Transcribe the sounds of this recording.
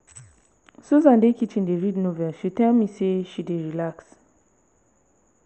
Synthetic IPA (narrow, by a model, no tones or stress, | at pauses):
suzãndekit͡ʃĩndeɹidnovɛlʃitɛlmiseʃideɹilaks